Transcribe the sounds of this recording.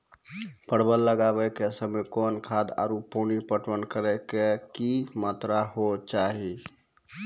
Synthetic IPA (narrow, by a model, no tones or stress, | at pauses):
pəɽbəlːəɡabɛkesəmekonkʰad̪a̰ɾuponipəʈwənkəɾɛkekimat̪ɾaɦot͡ʃaɦi